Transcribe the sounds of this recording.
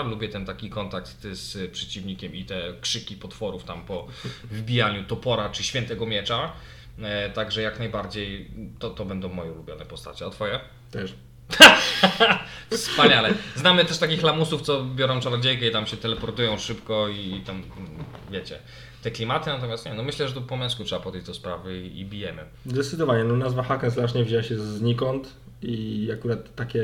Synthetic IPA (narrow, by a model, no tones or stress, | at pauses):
lubʲjɛt̪ɛnt̪akʲikɔnt̪ak̚t̪spʂɛt͡ɕivɲikʲɛmit̪ɛkʂɘkʲipɔt̪fɔɾuft̪ampɔ | vɘbʲijaɲut̪ɔpɔɾat͡ʂɨɕfʲjɛnt̪ɛɡɔmʲjɛt͡ʂa | t̪aɡʐɛjaknajbaɾd͡ʑejt̪ɔt̪ɔbɛnd̪ɔ̃w̃mɔjɛulubʲjɔnɛpɔst̪a̰t͡ɕɛɔt̪fɔjɛ | t̪ɛ | t̪ʰ | fsppaɲalɛznamɘt̪ɛʂt̪akʲixlamusuft̪ɔbʲjɔɾɔ̃w̃tɔɾad͡ʑejkɛit̪amɕɛt̪ɛlɛpɔɾt̪ujɔ̃w̃ʂɘpkɔiːt̪amvʲjɛt͡ɕɛ̰ | t̪ɛklʲimat̪ɘnat̪ɔmʲjast̪ɲɛnɔmɘɕlɛʐɛt̪ɔpɔmʲjɛ̃skutʂɛbapɔd̪jɛjd͡ʑd̪ɔspɾavɘiḭbʲijɛmɘ | zd̪ɛt̪sɘd̪ɔvaɲɛnɔnazvaxakɛzlaʂɲɛvʑɛwaɕɛzɲikɔnt̪ | iakuɾat̪ːakʲɛ